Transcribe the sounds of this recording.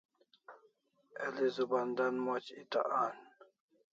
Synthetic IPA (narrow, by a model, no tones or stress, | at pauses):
ɛlizuband̪anmot͡ɕit̪a̰ʔan